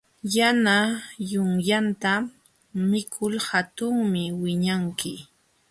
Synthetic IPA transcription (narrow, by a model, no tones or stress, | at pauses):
janajʊŋjant̪a | mɪkʰʊlhat̪ʊŋmɪwɪɲaŋkɪ